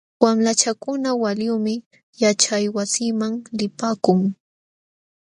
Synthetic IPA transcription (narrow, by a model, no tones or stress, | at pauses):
wamlat͡ʃakʊnawaljuːmɪ | jat͡ʃajwasiːmaŋlɪpaːkʊŋ